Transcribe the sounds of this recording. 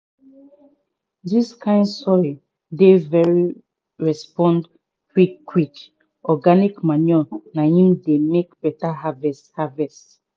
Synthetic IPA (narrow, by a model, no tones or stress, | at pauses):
diskʰãɪ̃ndsɔɹi | devɛɹi | ɹɛspɔ̃nd | kwikːwik | ɔɡanikmanɔnahĩmdemekb̥ɛtaɦavɛsthavɛst